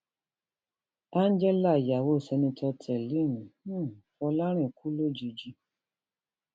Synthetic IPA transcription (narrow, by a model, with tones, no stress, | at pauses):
a˦n˦d͡ʒɛ˦la˦˨ja˨wo˦˨sɛ˧nĩ˧tʰɔ˧tʰɛ˨li˦˨nũ˨˦˨fɔ˧la˦ɾ̃ɛ̃˦˨ku˦lo˦˨d͡ʒi˧d͡ʒi˧˦